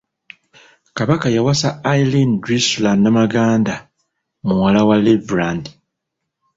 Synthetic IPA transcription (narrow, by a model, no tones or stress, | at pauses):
kaβakajawasaːilindɾislannamaɡaːnda | muwalawalevɾandi